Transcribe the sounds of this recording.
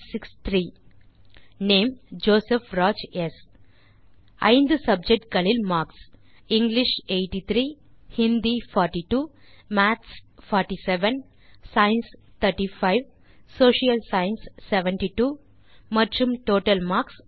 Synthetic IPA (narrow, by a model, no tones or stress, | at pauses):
sikst̪ʰɾiː | nẽːmd͡ʒoːsefɾɔːd͡ʒes | ã̰ɪ̃nd̪sʌb̚d͡ʒek̚ʈ̚kɐlilmaːɾks | ĩŋɡliʃeːʈit̪ʰɾiː | hĩnd̪ifɔːɾʈiʈuːmætsfɔːɾʈiseʋẽn | saɪnst̪ʰəɾʈifaɪʋ | soːʃiəlsaɪnsːeʋẽɳʈiʈuː | mɐd͡ʒumʈoːʈəlmaːɾks